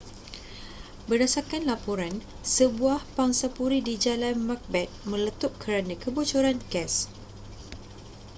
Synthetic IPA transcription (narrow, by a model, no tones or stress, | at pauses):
bərdasakanlapoɾan | səbuahpaŋsapuɾidid͡ʒalanmãk̚bɛt̪̚mə̃lət̪up̚kʰəɾanãkəbut͡ʃuɾanɡɛs